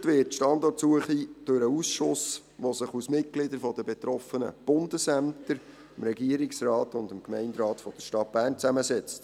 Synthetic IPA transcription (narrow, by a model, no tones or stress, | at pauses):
tʋɪːtʃtɑndɔɾtsuəχid̥øɾəusʃʊs | ʋosɪχusmɪt̚ɡ̥lɪdəɾfɔdəbɛt̪ɾɔfənə̰b̥ʊndəsæmtəɾ | ɪmɾɛɡiəɾiksɾɑːtʊndəmkmɛɪndɾɑːtfɔd̥əʃtɑt̚b̥æːrnt͡sæməsɛt͡st